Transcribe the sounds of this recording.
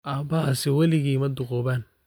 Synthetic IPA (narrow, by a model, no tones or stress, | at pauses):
ʔaːmbɐhɐsɛwɐlɪɣiːmɐd̪ʊɣɔːβaːn